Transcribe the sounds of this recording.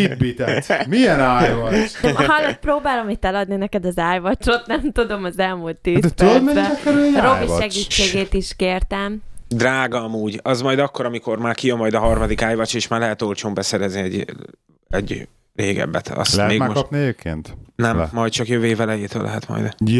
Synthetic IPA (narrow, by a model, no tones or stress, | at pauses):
ibit̪ɛmiɛnaːj | ɦɒlːot̪̚proːbaːlomit̪ɛlɒd̪ninɛkɛd̪ɒzaːjvɒt͡ʃo̞t̪nɛmt̪ud̪o̞mɒzɛlmult̪ːiːzd̪ɛpt̪ømɛɛɛkɛɾyjɾoviʃɛɡit͡ʃːeːɡeːt̪iʃkeːrt̪ɛmd̪raːɡɒmuːɟɒzmɒjd̪ɒkːo̞ɾɒmiko̞rmaːrkijømːɒjd̪ɒɦɒrmɒd̪ikaːjvɒt͡ʃeːʃmaːrlɛɦɛt̪o̞lt͡ʃoːmbɛsɛɾɛzniɛɟ | ɛɟ | reːɡɛ̰bːɛ̰t̪ʰɒ̰slɛtmeːɡmokɒpniɛɟeːp̚kʰḛːnt̪nɛmːɒjt̪t͡ʃɒkjøveːvɛlɛjeːt̪ø̰ːlɛ̰ɦɛt̪mɒ̰jd̪